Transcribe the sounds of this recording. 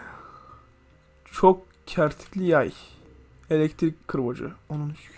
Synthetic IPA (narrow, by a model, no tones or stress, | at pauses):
t͡ʃʰok | cʰæɾt̪ʰi̥cʲlʲijaj | elʲɛct̪ʰɾicʲkʰːɯɾbod͡ʒɯ̰onun